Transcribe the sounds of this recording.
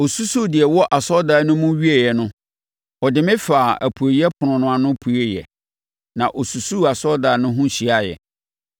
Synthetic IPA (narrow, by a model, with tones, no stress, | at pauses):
o˨su˦so˦di˨ɛ˨wɔ˦ʔa˨sɔ˦da˨˦nʊ̃˦mʊ̃˦ɥi˦ɛ˨jɛ˨nʊ̃˦ | ɔ˨dɪ˨mɪ̃˦faː˨æ̰˨pʰu˨e˨i˦ɛ˦pʰʊ˨ʊ̃˨nʊ̃˨˦a˨nʊ̃˦pʰu˨˦e˦jɛ̰˨ | nã˨ʔɔ˨su˨su˦˨a˨sɔ˦daː˨nʊ̃˦ɦʊ̃˦ɕi˨˦a˦jɛ̰˨